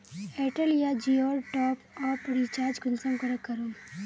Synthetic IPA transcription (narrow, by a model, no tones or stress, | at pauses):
eːʈəljad͡ʒiːoːlʈɔːpɔːɾpɐɾit͡ʃaːd͡ʒɡʊnsə̃mkəɾəkːɐɾoː